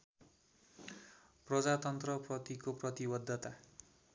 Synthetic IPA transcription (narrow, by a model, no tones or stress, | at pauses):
prʌd͡zat̪ʌnt̪rʌprʌt̪ikoprʌt̪ibʌd̪ʱːʌt̪a